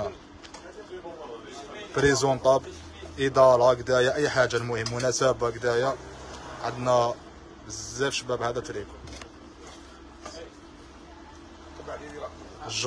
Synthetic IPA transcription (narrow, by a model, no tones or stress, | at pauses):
bɾizunt̪ˤɑb | ʔid̪ɑɾˤɑɡd̪æjaʔəjːħaʒːalmʊhəmːʊnæsæbaɡd̪æjaʕad̪næ | zzːæfʃəbæbhæd̪æt̪ɾib | ʒ